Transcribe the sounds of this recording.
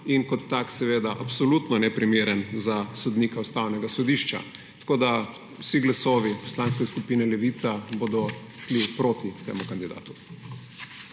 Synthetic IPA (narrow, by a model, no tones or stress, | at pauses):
inkɔt̪ːaksɛʋeːd̪aʔapsɔlut̪nɔnɛpɾimeːɾɛnzasɔd̪niːkaust̪awnɛɡasɔd̪iʃt͡ʃa̰t̪ḁkoːd̪a | wsiɡlasɔːʋipɔ̥slaːnskɛskupiːnɛlɛʋit̪saboːd̪ɔ | ʃlipɾoːt̪it̪ḛːmukand̪id̪a̰ːt̪u̥